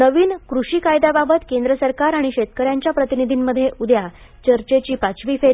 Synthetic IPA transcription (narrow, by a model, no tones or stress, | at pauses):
nəʋiːnkɾuɕiːkajd̪ababət̪kend̪ɾəsəɾkaɾaɽ̃iɕet̪kəɾjaɲt͡ɕjapɾət̪inid̪ʱimməd̪ʱːjeʔud̪ʱja | t͡ɕəɾt͡ɕet͡ɕiːpat͡sʋiːfeɾ